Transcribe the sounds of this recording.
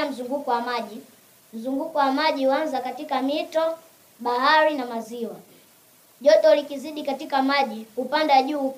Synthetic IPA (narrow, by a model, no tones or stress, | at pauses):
am̩zuŋɡukɔwamaʄi | m̩zuŋɡukɔwamaʄiwanzakatikamitɔ | ɓahaɾinamaziwa | ʄɔtɔlikiziɗikatikamaʄikupandaʄuː